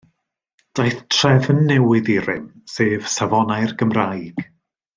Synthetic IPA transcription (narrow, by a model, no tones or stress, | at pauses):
d̥ajθtʰr̥ɛvənːɛwɪðiɾɨ̰m | seːv̥savɔnajrɡəmrajɡ̥